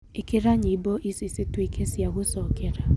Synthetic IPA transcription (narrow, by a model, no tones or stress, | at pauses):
ɪkɪɾaɲiboʔisisitwekʰesjaɣʊsɔkɪɾa